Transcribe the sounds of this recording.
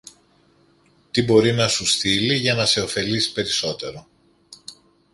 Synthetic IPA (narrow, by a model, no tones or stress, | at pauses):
t̪ibo̞ɾinɐsusθiliʝɐnɐse̞o̞fe̞lisi̥pe̞ɾiso̞t̪e̞ɾo̞